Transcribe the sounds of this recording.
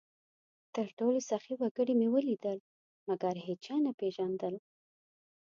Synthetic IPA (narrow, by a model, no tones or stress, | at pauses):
t̪əɾʈolosaxiwaɡəɽimewəlid̪əl | maɡaɾɦet͡ʃɑnapeʒand̪əl